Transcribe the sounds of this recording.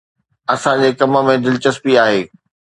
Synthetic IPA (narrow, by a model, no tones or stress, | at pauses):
ɐsãd͡ʑeːkɐmə̆mẽd̪ɪlt͡ɕəspiaːɦeː